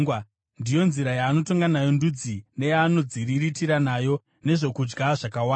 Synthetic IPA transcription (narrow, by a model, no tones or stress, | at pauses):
ndijo̞nziɾajaːno̞to̞ŋɡanajo̞ndud͡zine̞jaːno̞d͡ziɾiɾitiɾanajo̞ | ne̞ʐo̞kud͡ʒɡaʐakawaa